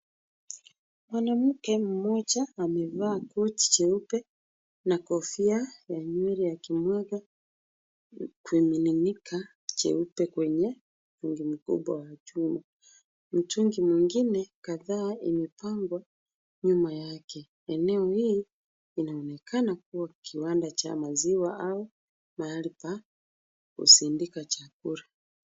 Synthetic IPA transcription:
mwanam̩kɛm̩mɔd͡ʒaːmɛvaːkɔt͡ʃi̥t͡ʃɛupɛ | nakɔfiajaɲwɛɾijakimwaɡa | kuimininikʰa | t͡ʃɛ̰upɛkwɛɲɛ | m̩t͡ʃuŋɡim̩kṵɓwawat͡ʃuma | m̩t͡ʃuŋɡimwiŋɡinɛkaðaːimɛpaŋɡwa | ɲumajakɛ | ɛnɛɔhiː | inaɔnɛkʰanak̚uwakʰiwandat͡ʃa̰maziwaʔau | maalipa | ṵsindikat͡ʃak̚uɾa

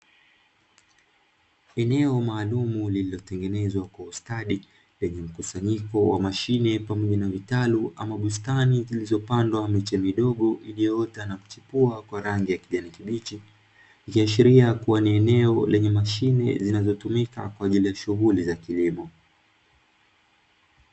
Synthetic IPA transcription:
ɛnɛɔmaːlumulililɔtɛŋɡɛnɛzwakwaustaɗi | lɛɲɛm̩kusaɲikɔwa̰maʃinɛpamɔʄanavitaluʔamaɓustanizilizɔpandwamit͡ʃɛmiɗɔɠɔʔiliɔtanaku̥t͡ʃipuakwaɾaŋɡijakiʄanikiɓit͡ʃi | ikiaʃiɾiakuwaniɛnɛɔlɛɲɛmaʃinɛ̰zinazɔtumika̰kwaːʄilijaʃuɣulizakilimɔ

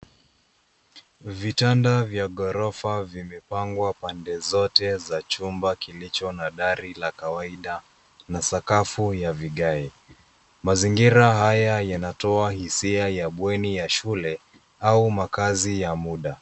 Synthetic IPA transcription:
vitandavjaɠɔɾɔfavimɛpaŋɡwapandɛzɔtɛzat͡ʃumbakilit͡ʃɔnaɗaɾilakawaiɗa | nasakafujaviɠai | maziŋɡiɾaɦajajanatɔahisiajaɓwɛnijaʃulɛ | aumakazijamuɗa

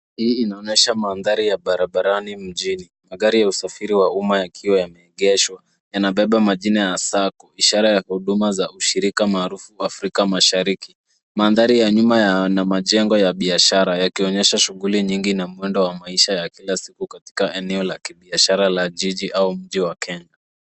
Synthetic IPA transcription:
hiːinaɔnɛʃamaːnðaɾijaɓaɾaɓaɾanim̩ʄinimaɠaɾijausafiɾiwaumajakʰiwajamɛɛɠɛʃwa | janaɓɛɓamaʄinajasakɔiʃaɾajahuɗumazauʃiɾikamaːɾufuafɾikamaʃaɾiki | manðaɾijaɲumajnamaʄɛŋɡɔjaɓiaʃaɾajakiɔɲɛʃaʃuɣuliɲiŋɡinamuɛndɔwamaiʃajakilasikukati̥kaʔɛnɛɔlakiɓiaʃaɾalaʄiʄiʔaum̩ʄiwakɛɲa

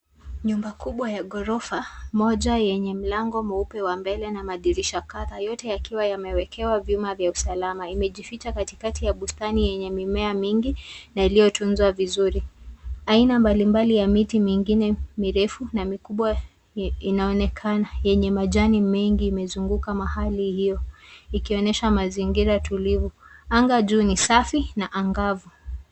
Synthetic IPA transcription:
ɲumbakuɓwajaɠɔɾɔfamɔʄajɛɲɛm̩laŋɡɔmɔupɛwambɛlɛnamaðiɾiʃakaðajɔtɛjakiwajamɛwɛkʰɛwavjumavjausalamaimɛʄifit͡ʃakatikatijaɓustanijɛɲɛmimɛamiŋɡinailijɔtunzwavizuɾiainambalimbalijamitimiŋɡinɛmiɾɛfunamikuɓwa | inaɔnɛkʰanajɛɲɛmaʄanimɛŋɡiːmɛzuŋɡukamahalihijɔikiɔnɛʃamaziŋɡiɾaatʰulivuaŋɡaʄuːnisafinaʔaŋɡavu

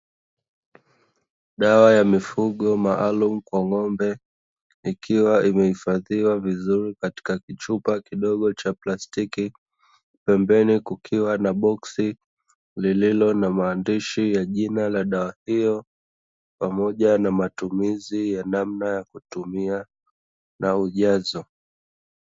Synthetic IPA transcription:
ɗawajamifuɠɔmaʔalum̩kwaŋɔmbɛ | ikʰiwaʔimɛhifaðiwavizuɾikati̥kakit͡ʃupakiɗɔɠɔt͡ʃaplastiki | pɛmbɛnikukʰiwanaɓɔksi | lililɔnamaːndiʃijaʄinalaɗawahijɔ | pamɔʄanamatumizijanamnajakutumia | nauʄazɔ

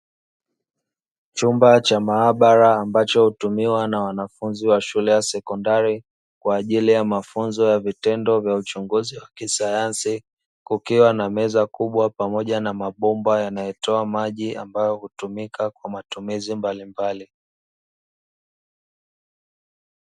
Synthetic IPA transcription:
t͡ʃumbat͡ʃamaːɓaɾaːmbat͡ʃɔhutumiwanawanafunziwaʃulɛjasɛkɔndaɾi | kwaːʄilijamafunzɔjavitɛndɔvjaut͡ʃuŋɡuziwakisajansi | kukiwanamɛzakuɓwapamɔʄanamaɓɔmbajanajɛtɔamaʄiʔambajɔhutumikakwamatumizimbalimbali

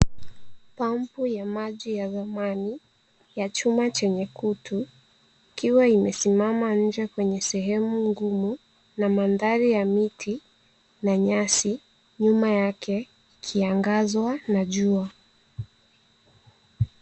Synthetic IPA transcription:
pampujamaʄijaðamani | jat͡ʃumat͡ʃɛɲɛkutʰu | ikiwaimɛsimamaɲ̩d͡ʒɛkwɛɲɛsɛɦɛmuŋɡumu | namandaɾijamitʰi | naɲasi | ɲumajakʰɛ | ikʰiaŋɡazwanaʄua

